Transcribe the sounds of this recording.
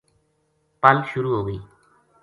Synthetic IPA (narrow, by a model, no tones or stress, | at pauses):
palʃuɾuɦoɡe